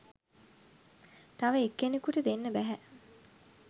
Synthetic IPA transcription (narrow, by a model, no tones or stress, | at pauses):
t̪aʋəekːenekuʈəd̪enːəbæɦæ